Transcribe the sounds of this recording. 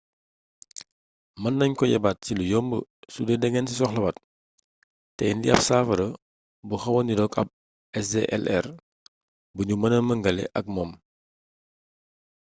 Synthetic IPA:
mɐnːɐɲkɔjɛ̰bat̚cilujɔːmbə̰sudɛdɛŋɛnsisɔxlɐbɐt̚ | tɛndiɐp̚saːfɐɾɐ | buxɐwɐnidɔkɐ̰b̚ | ɛs̬deʔɛ̰lʔɛr | buɲumɐnəməŋɡɐlɛ̰ʔɐk̚mɔːm

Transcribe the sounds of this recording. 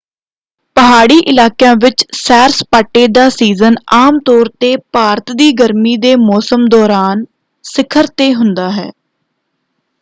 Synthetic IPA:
pəɦaːɽiːʔɪlaːkjãːʋɪt͡ʃsɛːɾspaːʈːeːd̪aːsiːzənaːmt̪ɔːɾt̪eːpaːɾət̪d̪iːɡəɾmiːd̪eːmɔːsəmd̪ɔːɾaːn | sɪkʰəɾt̪eːɦʊnd̪aːɦɛ̰ː

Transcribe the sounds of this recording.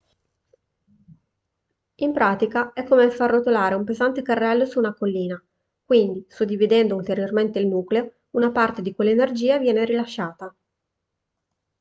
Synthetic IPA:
impɾaːt̪ikaɛkːomefarːot̪olaːɾeumpezant̪ekarːɛlːosuːnakolːiːna | kwind̪isod̪ːivid̪ɛnd̪oult̪eɾjorment̪eilmuːkleo | unapart̪ed̪ikwelːaenerd͡ʒiːavjɛːneɾilaʃːaːt̪a

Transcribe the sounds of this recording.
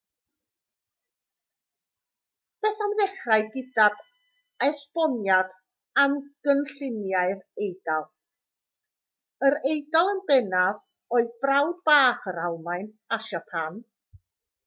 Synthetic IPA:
b̥ɛːθamðɛχraɨɡɪdab̥ | ɛspɔnjad | amɡ̥ənɬɪnjaɨðejdalˠ | əɾejdalˠənbɛnað | oːɨðbrawdb̥aːχəɾalˠmaɨn | aʃapʰan

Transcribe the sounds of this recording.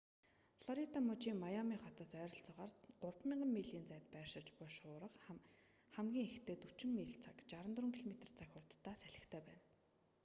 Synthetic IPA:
ɮɔɾit̪amʊt͡ɕiːŋmajamiːχɔt̪ɔːsœːɾɞ̆ɬt͡sɔ̆ʁaːrɢʊrpmʲiɴɢə̆mːiɮiːnt͡sæːt̪pæːrʃɪ̆t͡ɕpʊʃʊːɾə̆q | χæmɡʲiːŋext̪ʰeːt̪ut͡ɕɪ̆mːiːɬt͡sʰakt͡ɕaɾə̆nt̪rʊ̆ːŋkʰiɮɔmet̪ə̆r̥t͡sʰaxʲʊrt̪ːaːsæɮɪ̆xt̪ʰæːpæːn

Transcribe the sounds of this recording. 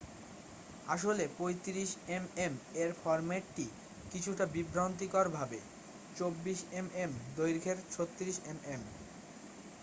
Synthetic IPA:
aʃolepojt̪iɾiʃememeɾfɔɾmeʈːʈi | kit͡ɕʰuʈabibɾont̪̬ikoɾbʱabe | t͡ɕobːiʃememd̪ojɾikʰeɾt͡ɕʰot̪ːiɾiʃemem

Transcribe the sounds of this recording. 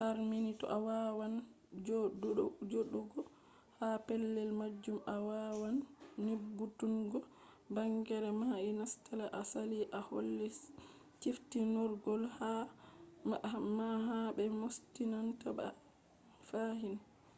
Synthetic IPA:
haɾminitɔ̰ʔawawan | d͡ʒ | d͡ʒoɗuɡɔ | hapɛlːɛlmad͡ʒːumawawanːibːutunɡɔ | baŋɡɛɾɛmainastalaʔasaliʔaho̰lːɛ | t͡ʃiftinɔɾɡɔlha | maɦabɛmostinantaba̰ | faɦin

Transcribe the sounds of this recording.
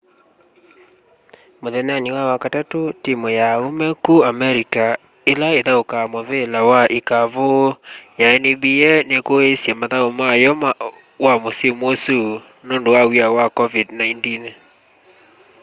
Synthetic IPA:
moðɛnaniwawakatatotimojaomɛkuamɛɾika | elaeðaokamoβelawaʔikavojaɛnebiɛnekoesjamaðaomajɔma | wamosemosu | noːndowawiawakɔvidnaintin

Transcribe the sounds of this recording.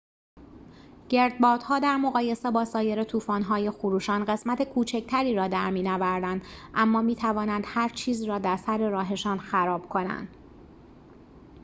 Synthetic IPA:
ɟ̥e̞ɾd̪̚bɒːɾd̪̥hɒːd̪æɾmo̞ɣɒːje̞sebɒːsɒːje̞ɾe̞t̪ʰuːfɒːnɦɒːje̞xuɾuːʃɒːnɢe̞smæt̪ʰekʰuːt͡ʃʰect̪ʰæɾiːɾɒːd̪æɾmiːnɒːvæɾd̪ænd̪ʔæmːɒːmiːt̪ʰævɒːnænd̪̥hæɾt͡ʃʰiːzɾɒːd̪æɾsæɾe̞ɾɒːɦe̞ʃɒːnxæɾɒːb̥̚kʰo̞næ̰nd̪̥

